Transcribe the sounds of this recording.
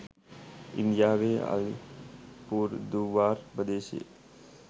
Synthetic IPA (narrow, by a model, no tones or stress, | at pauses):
ɪ̰nd̪jaːʋea̰lḭpuːɾd̪uʋaːɾpəd̪eːʃḛ